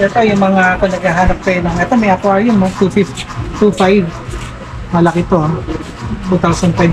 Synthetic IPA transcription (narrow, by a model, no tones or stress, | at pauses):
ɛt̪ojʊŋmɐŋaʔɐkonɐɡhaɦaːnɐp̚t̪ɐjonɐŋɛt̪omɐjʔɐpoaɹjʊnmot̪ufift̪ufajv | mɐlɐkɪt̪o | t̪ut̪awsɐn̚fajb